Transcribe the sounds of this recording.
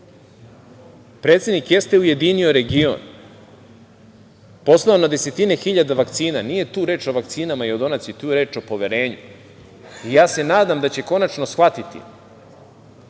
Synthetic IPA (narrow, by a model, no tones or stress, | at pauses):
pɾe̞ːt̪sed̪nikjest̪e̞uje̞d̪inio̞ɾe̞ɡio̰n | po̞slˠaonad̪e̞se̞t̪ine̞xiʎad̪aʋakt̪siːnanije̞t̪uːɾe̞ːt͡ʃo̞ʋak̚t̪siːnamaio̞d̪o̞nat̪sit̪uːɾe̞ːt͡ʃo̞po̞ʋeɾe̞ːɲṵ | ijaːse̞naːd̪amd̪at͡ɕe̞ko̞nat͡ʃno̞sxʋat̪it̪ḭ